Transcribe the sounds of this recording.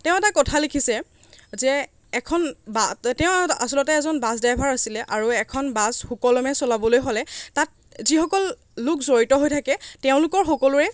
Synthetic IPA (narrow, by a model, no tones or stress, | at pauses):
tɛʊ̃ɛtakɔtʰalekʰisɛ | zɛː | kʰɔnbatɛʊ̃asɔlɔtɛːzɔnbasdajbʱaɹasilɛʔaɹuɛkʰɔnbazxukɔlɔmɛsɔlabɔlojɦɔlɛtat̚ | zixɔkɔlː | ʊkzoɹitɔɦojtʰakɛtɛʊ̃lʊkɔɹxɔkɔlʊɹɛ